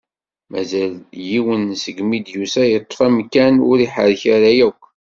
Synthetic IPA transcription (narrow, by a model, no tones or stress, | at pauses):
mæ̰zæljiwənsəɡmid̪jusæjət̪ˤːfæmkːænʊ̰ɾiħəɾçaɾæjækʷː